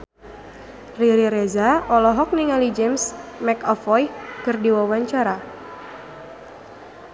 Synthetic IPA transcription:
riɾiɾezaɔlɔɦɔk̚niŋalid͡ʒɛmsmɛkɔfɔjkɨrdiwawaɲt͡ʃaɾa

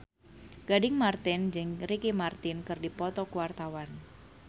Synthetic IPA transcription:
ɡ̥adɪŋmart̪ɪnd͡ʒɪŋɾikimart̪ɪnkɨrdipɔt̪ɔkuwart̪awan

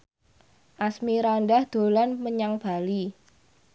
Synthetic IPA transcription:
ʔasmiɾanɖahd̪̥o̤lanməɲaŋb̥a̤li

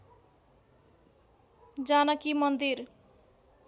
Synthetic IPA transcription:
d͡zanʌkimʌnd̪ir

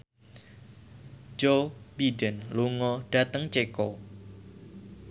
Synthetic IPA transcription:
d͡ʒobidənluŋɔɖ̥a̤t̪əŋt͡ʃekɔ

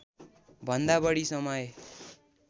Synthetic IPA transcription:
bʱʌnd̪abʌɽisʌmʌj

